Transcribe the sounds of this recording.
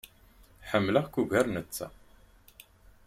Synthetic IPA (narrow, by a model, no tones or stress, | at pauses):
ħəmːləʁkuʝæɾnət͡sːæ̰